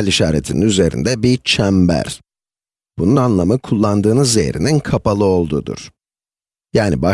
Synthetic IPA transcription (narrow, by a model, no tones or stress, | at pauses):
lʲiʃaːɾḛt̪ʰinḭnyze̞ɾḭnd̪ɛbit͡ʃʰæmbæ̰ɾ̥ | b̥ununanlˠamɯkʰulˠːand̪ɯːnɯzḛɾḭninkʰapalˠɯo̞lˠd̪ud̪ṵɾ̥ | jaːniba